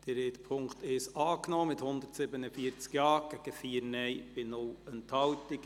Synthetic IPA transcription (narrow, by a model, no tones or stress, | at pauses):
d̥əɾet̪pʰʊŋkt̪ɪʃɑːknɔːmɪthʊnd̪ətsɪbənəfiəɾt͡skjɑːɡ̥ɛɡ̥əfiːəɾnɛɪb̥ɪnʊlənthɑwtɪk